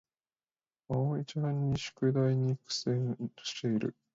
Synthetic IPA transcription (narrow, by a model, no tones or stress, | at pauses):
aoit͡ɕaãɲʲːiɕɨ̥kɯ̟d̪aiɲ̟ikɯ̥sẽo̥ɕi̥t̪e̞iɾɯ̰